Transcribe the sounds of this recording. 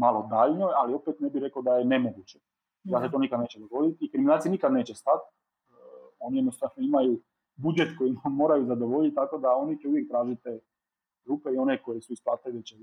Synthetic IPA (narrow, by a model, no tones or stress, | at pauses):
malod̪aʎnojalio̞pet̪nebiɾekaod̪ajene̞mo̞ɡuːt͡ɕe | d̪aset̪o̞ːnikad̪neːt͡ɕed̪oɡo̞d̪it̪ikɾiminaːlt̪sinikad̪ne̞ːt͡ɕest̪at̪̚ | o̞nijed̪nost̪avnoimaju | bud͡ʒet̪ko̞jinmo̞ːɾajuzad̪o̞ʋo̞ʎit̪̚ʲt̪ako̞d̪ao̞nit͡ʃeuʋjek̚t̪ɾaːʒit̪eː | ɡɾuːpe̞io̞ne̞ko̞jesuisplˠaːt̪eʋet͡ɕe